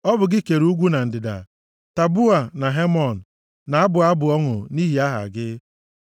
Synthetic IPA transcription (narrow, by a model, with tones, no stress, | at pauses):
ɔ˦bʊ˨ɡɪ˦ke˨ɾu˦ɡʷu˦na˨n̩˨dɪ˨da̰˨ | ta˨bu˦a˨na˨ɦe˦mɔ˨n̩˨ | na˨a˦bʊ˨a˦bʊ˨ɔ˦ŋʊ̰˨ni˦ɦi˨a˦ɦa̰˨ɡɪ˦